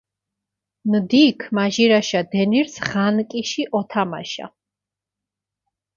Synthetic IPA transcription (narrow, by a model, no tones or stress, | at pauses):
nd̪ikʰmaʒiɾaʃad̪ɛniɾsʁankʼiʃiʔɔt̪ʰama̰ʃa̰